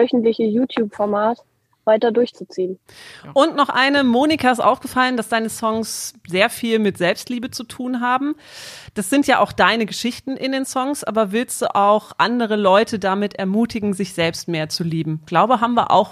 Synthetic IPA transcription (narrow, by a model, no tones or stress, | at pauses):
vœçn̩tlɪçəjuːtʰjuːpfɔɐmaːt | vaɪtɐdʊɐçt͡sut͡siːən | ʔʊntnɔχʔaɪnəmoːnikʰaɪstʔa̰ʊfɡ̥əfaləndasd̥aɪnəsɔŋsz̥eːɐfiːlmɪtz̥ɛlpstliːbət͡sutʰuːnɦaːbm̩ | d̥asz̥ɪntjaːʔaʊxd̥aɪnəɡəʃɪçtn̩ʔɪndeːnsɔŋsʔa̰ːbɐvɪlstd̥ṵːʔaʊxʔandəʁ̞əlɔʏtədamɪtʔɛɐmuːtɪɡŋ̩zɪçz̥ɛlpst̚meːɐt͡suliːbm̩ɡ̥laʊbəɦaːbm̩viːɐʔa̰ʊx